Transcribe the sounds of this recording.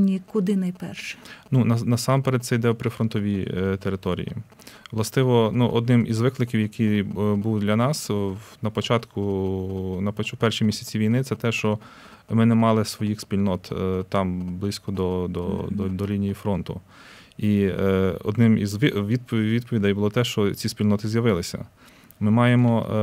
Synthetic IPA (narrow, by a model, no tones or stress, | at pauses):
nʲikʊd̪ɪnɐjpɛrʃɛ̥nunɐnɐsɑmpeɾet̪̚sɛjd̪ɛpɾɪfɾɔnt̪ɔʋʲit̪eɾɪt̪ɔɾʲḭjḭ | ʋlˠɐst̪ɪʋɔnuʔɔd̪nɪmizʋɪklˠɪkʲiwjɐkʲibulˠɪd̪lʲɐnɑsnɐpɔt͡ʃɑt̪kʊ | nɐpɔt͡ʃpɛrʃimʲisʲɐt͡sʲiʋʲijnɪt̪sɛt̪ɛʃt͡ʃɔ | mɪnɛmɑlˠɪsʋɔjixspʲilʲnɔt̪t̪ɑmblˠɪsʲkɔd̪ɔd̪ɔ̰d̪ɔd̪ɔlʲinʲijifɾɔnt̪ʊ̰ | i | ɔ̰d̪nɪmizʋʋʲid̪pʋʲid̪̚pɔʋʲid̪ɐjbʊlˠɔt̪ɛʃt͡ʃɔt͡sʲispʲilʲnɔt̪ɪzʲjɐʋɪlˠɪsʲɐ̰ | mɪmɑjemɔ